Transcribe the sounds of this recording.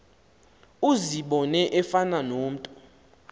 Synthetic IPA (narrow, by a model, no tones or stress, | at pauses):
uziɓɔnɛʔɛfananoːm̩tʼɔ̥